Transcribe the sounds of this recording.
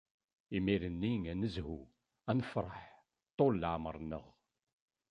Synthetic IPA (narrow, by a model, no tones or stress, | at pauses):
imiɾənːiŋænəzhu | ænəfɾˤəħ | t̪ˤːollʕməɾˤnə̰ʁ